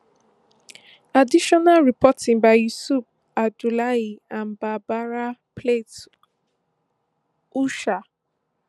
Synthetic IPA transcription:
adiʃɔnalɹipʰɔtĩŋbaɪjusup̚ | adulaiãnbabaɹapʰlet | uʃa

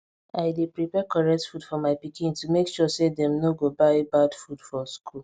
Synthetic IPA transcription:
aɪdepɹipɛkɔɹɛk̚tfudfɔmaɪpikĩntumekʃɔsedɛ̃mnoɡobaɪebadfudfɔskʰul

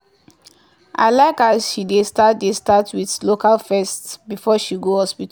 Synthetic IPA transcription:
ʔa̰ɪlaɪkasʃidestatdestatʰwiθlokalfɛstbifɔʃiɡohɔspit

